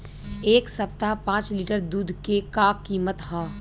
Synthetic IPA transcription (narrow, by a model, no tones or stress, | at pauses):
eːksɐp̚t̪apãːt͡ʃliːʈəɾd̪uːd̪ʱkekakiːmət̪ɦaː